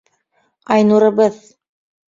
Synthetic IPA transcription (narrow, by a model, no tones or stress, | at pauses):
ɑjnuɾɤ̆bɤð